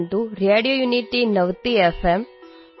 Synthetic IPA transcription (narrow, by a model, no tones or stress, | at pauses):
nd̪uɾieɖijojuniʈːinɐʋt̪iefʰem